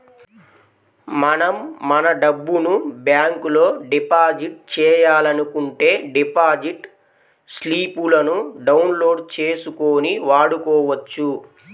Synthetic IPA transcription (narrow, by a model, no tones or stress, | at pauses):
mɐnɐmːɐnɐɖɐbːunubjaːŋkulo̞ːɖipaːd͡ʒiʈ̚t͡ʃɛːjaːlɐnukuɳʈe̞ːɖipaːd͡ʒiʈ | sliːpulɐnuɖɐwnlo̞ːɖt͡ʃe̞ːsukoːniʋaːɽukɔːʋɐt͡ʃːu